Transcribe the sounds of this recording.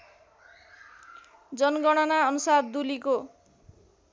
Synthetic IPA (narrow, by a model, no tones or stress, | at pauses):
d͡zʌnɡʌɽ̃ʌnaʌnusard̪uliko